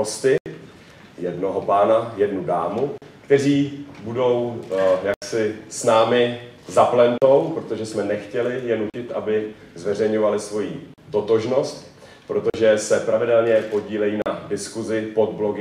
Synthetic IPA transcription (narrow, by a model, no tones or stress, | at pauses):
ost̪ɪ | jɛdno̞ɦopaːnajɛdnudaːmukt̪ɛriːbudo̞wjaksɪsnaːmɪzaplɛnt̪o̞wpɾo̞t̪o̞ʒɛsmɛnɛxcɛlɪjɛnucɪt̪ʔabɪ | zvɛr̝ɛjɲo̞valɪsvo̞jiːt̪o̞t̪o̞ʒno̞st̪ | pɾo̞t̪o̞ʒɛsɛpɾavɪdɛlɲɛpo̞ɟiːlɛjiːnadɪskuzɪpo̞d̪blo̞ɡɪ